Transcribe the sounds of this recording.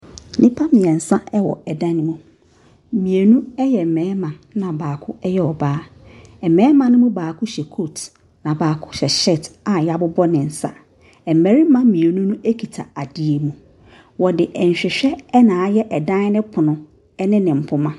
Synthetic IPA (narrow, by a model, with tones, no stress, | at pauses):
nʔɪ̃˦pʰa˦mĩ˨ɛ˨n̩˨sã˦ɛ˦wɔ̰˨ɛ˨dã˦nɪ̃˦mũ˦˨ | mĩ˨e˨nũ˦ɛ˦jɛ˨m̩˨mɛ̃˨˦mã˨nã˨baː˨kʰʊ˦ɛ˦jɛ˦ɔ˨baː˦ɛ˨mɛ̃˨˦mã˨nʊ̃˦mũ˦baː˨kʰʊ˦ɕɛ˨kʰo˦˨t | nã˨baː˨kʰʊ˦ɕɛ˨ɕɛ˦˨ta˨ja˦bʊ˦bɔ˦nɪ̃˨n̩˨sa̰˦ | ɛ˨m˨mɛ˨ɾi˦mã˦mĩ˨e˨nũ˦nũ˦e˦kʰi˨tʰa˨a˨dɪ˦e˨mũ˨ | wɔ˨dɪ˨ʔɛ˨ɲ̩˨ɕᶣɪ˨ɕᶣɛ˦ɛ˦nãː˨a˦jɛ˦ʔɛ˨dã˦n˦nɪ̃˦pʰʊ˨nʊ̃˨ | ɛ˦nɪ̃˦nɪ̃˨m̩˨pʰʊ˦mã˦